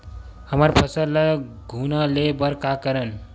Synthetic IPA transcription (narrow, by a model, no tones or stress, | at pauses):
həməɾpʰəsəllə | ɡʱunəlebəɾkakəɾən